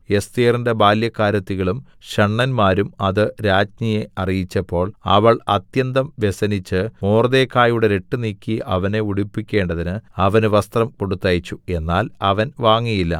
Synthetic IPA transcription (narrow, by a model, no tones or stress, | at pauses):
e̞st̪iːrindebaːljɐkːaːɾɐt̪ːiɣɐɭum | ɕɐɳːɐnmaːɾumɐðɨɾaːd͡ʑɲijeɐrijit͡ɕːɐpːo̞ːɭɐ̰ʋɐɭɐt̪jɐnd̪ɐmʋe̞sɐnit͡ɕːɨmoːrðeːkːaːjuɽe̞ɾe̞ʈːɨniːkʲːiʔɐʋɐne̞uɽipːikʲːe̞ːɳɖɐðinɨɐʋɐnuʋɐst̪rɐmko̞ɽut̪ːɐːjit͡ɕːue̞nːaːlɐʋɐnʋaːŋːijilːɐ̰